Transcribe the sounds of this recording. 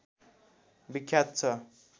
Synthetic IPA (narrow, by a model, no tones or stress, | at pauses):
bikʰjat̪̚t͡sʰʌ